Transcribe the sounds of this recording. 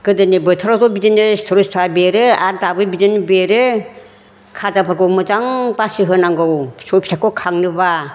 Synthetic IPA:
ɡɯdɯnibɯtʰɯɾazɔbidenɯstʰɔɾustʰabeɾɯaɾdabɯbidɯnɯbeɾɯ | kʰazapʰaɾɡɔkmɯzaŋbasɯɦɯnaŋɡɯwsɔjpʰsʰakːɔkʰaŋnɯba

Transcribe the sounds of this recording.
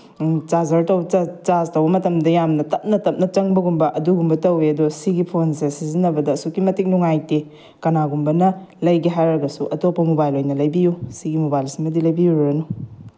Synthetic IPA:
t͡ʃazɐɾtɐwt͡ʃaztɐwbɐmɐtɐmdɐjamnɐtɐp̚nɐtɐp̚nɐt͡ʃɐŋbɐɡumbɐʔɐduɡumbɐtɐweɐdosiɡipʰonsesizinːɐbɐdɐsukimɐtik̚nuŋajte | kɐnaɡumbɐnɐlɐjɡiɦajɾɐɡɐsuʔɐtopːɐmubajlojnɐlɐjbijusiɡimubajlsimɐdilɐjbijuɾɾɐnu

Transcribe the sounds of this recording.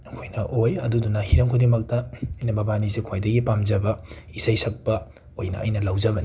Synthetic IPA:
ɐkʰojnɐʔojɐdudunɐhiɾɐmkʰodimɐk̚tɐɐjnɐbɐbanisekʰwajdɐɡipamd͡ʒɐbɐ | isajsʰɐk̚pɐ | ojnɐ̰ʔːjnɐlawd͡ʒɐbɐni

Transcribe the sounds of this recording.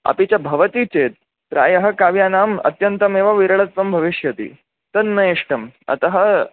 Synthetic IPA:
ɐ̰pit͡ɕjabʱɐʋɐt̪iːt͡ʃeːt̪̚ | pɾa̰ːjɐɦɐkaːʋjaːnaːmɐ̰t̪jɐnt̪ɐmeːʋɐʋiɾɐɭɐt̪ʋɐmbʱɐʋiʂjɐt̪ḭ | t̪ɐnːɐjeʂʈɐmɐ̰t̪ɐɦə

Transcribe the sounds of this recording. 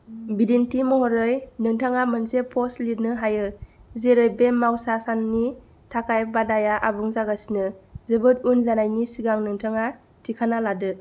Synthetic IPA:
bidentimɔɦɔɾɯjnɯŋtʰaŋamɯnsepʰɔslidnɯɦajɯzeɾɯjbemmːawsasanːi | tʰakajbadajaʔabuŋzaɡasinɯzɯbɯt̚unzanajnisiɡaŋnɯŋtʰaŋa | tʰikʰanaladɯ

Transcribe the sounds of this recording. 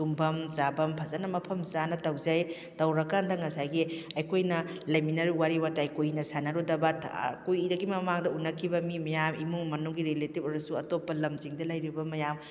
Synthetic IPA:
tumbʱɐmzabɐmpʰɐzanɐmɐpʰɐmzanɐtɐwzaj | tɐwɾɐkandɐŋɐsajɡiɐjkʰojnɐlɐjminɐɾiwaɾiwatajkojinɐsanɐɾudɐbɐtʰkujiɾɐɡimɐmaŋdɐunːɐkʰibɐmimɐjamimuŋmɐnuŋɡiɾeletipoɾɐsuɐtopːɐlɐmziŋdɐlɐjɾibɐmɐjam

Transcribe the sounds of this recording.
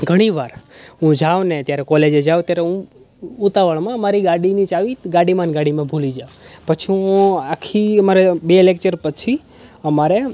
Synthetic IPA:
ɡʱəɽ̃iʋaɾɦũd͡ʒaʋneət̪jaɾɛkɔled͡ʒed͡ʒaʋt̪jaɾeũ | ut̪aʋəɭmãəmaɾiɡaɽinit͡ʃaʋiɡaɽimanɡaɽimãbʱulid͡ʒaʋpət͡ʃʰiũakʰiəmaɾebelek̚t͡ʃəɾpət͡ʃʰi | əmaɾe

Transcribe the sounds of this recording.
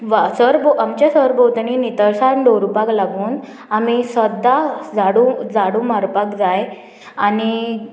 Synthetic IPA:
ʋsəɾboʔamt͡ɕjasəɾbod̪ɳinit̪əɾsaɳɖoɾupaklaɡuːn | amisəd̪ad͡zaɽud͡zaɽuːmaɾpakd͡zaj | ani

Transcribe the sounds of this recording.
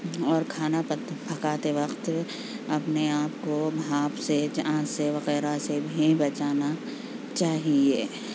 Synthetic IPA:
ɔːɾkʰaːnapt̪bʱɐkaːt̪eʋɐqt̪ | ɐpneaːpkobʱaːpsed͡ʒãːseʋɐɣɛːɾasebʱibɐt͡ʃaːna | t͡ʃaːɦieː

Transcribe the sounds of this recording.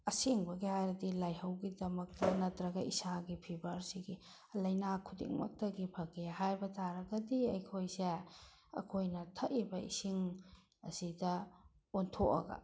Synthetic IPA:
ɐsiŋbɐɡihajɾɐdilajhɐwɡidɐmɐk̚tɐnɐtɾɐɡɐʔḭsaɡipʰibɐɾsiɡi | lɐjnakʰudḭŋmɐ̰k̚tɐɡipʰɐkihajbɐtʰaɾɐɡɐdiɐjkʰojseɐ̰kʰojnɐtʰɐʔibɐḭsiŋ | ɐ̰sidɐ | ontʰoʔɐ̰ɡɐ̰

